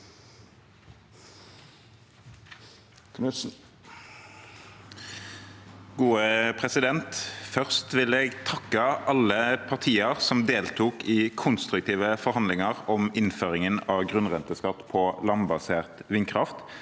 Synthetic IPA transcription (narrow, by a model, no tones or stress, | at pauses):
ɡuːəpʰʁɛsɪd̪ɛnt̪fœʁst̪ʋɪleːɡt̪ʰɑkːəʔɑləpʰɑʁt̪ʰiːəʁsɔmd̪eːlt̪ʰuːkiːkʰʊnst̪ʁʉk̚t̪ʰiːʋəfɔʁhɑnd̪lɪŋəʁɔmɪnføːʁɪŋənɑːʋɡʁʉnʁɛnt̪əskɑt̪pʰɔlɑnbɑseːʁt̪ʋɪŋkʰʁɑft̪